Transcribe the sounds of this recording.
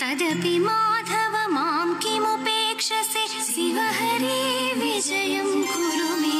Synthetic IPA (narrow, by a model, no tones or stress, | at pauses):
t̪ɐd̪ɐpimaːd̪ʱɐʋɐmaːmkimupeːkʂɐse | siʋɐɦɐɾiʋid͡ʒɐjɐmkuɾɐʋi